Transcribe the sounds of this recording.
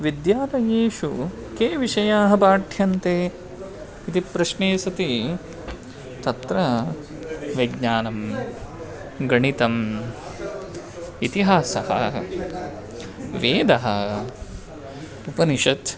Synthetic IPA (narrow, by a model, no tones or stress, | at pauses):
ʋid̪jaːɾɐjeːʃu | keːʋiʃɐjaːɦɐbaːʈʰjɐnt̪eː | it̪ipɾɐʃneːsɐt̪i | t̪ɐt̪ɾɐ | ʋɐɡɲaːnɐm | ɡɐɳit̪ɐm | it̪iɦaːsɐhɐ̰ | ʋeːd̪ɐɦɐ | upɐniʃɐt̪